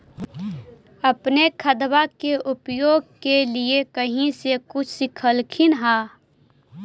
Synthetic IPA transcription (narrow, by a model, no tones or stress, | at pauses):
ɐpnekʰəd̪bakeʔʊpjoːɡ̚keliekəɦĩsekʊt͡ʃʰsɪkʰəlkʰɪnɦaː